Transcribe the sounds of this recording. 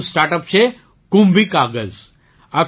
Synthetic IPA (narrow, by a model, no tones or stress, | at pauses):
sʈaɾʈəpɕe | kumbikaɡəz | a